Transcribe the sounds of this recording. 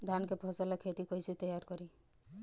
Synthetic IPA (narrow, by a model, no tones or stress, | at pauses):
d̪ʱankepʰɔsalakʰet̪ikɔjsʰit̪ɔjaɾkɔɾi